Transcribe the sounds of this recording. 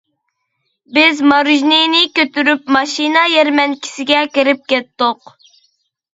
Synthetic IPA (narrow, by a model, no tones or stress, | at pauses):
bɪzmɑɾuʒnejnɪkʲøt̪yɾypmɑʃinɑjɛɾmɛnkʲʰi̥sɪɡʲɛkʲiɾɪp̚kʲɛt̪ːʊq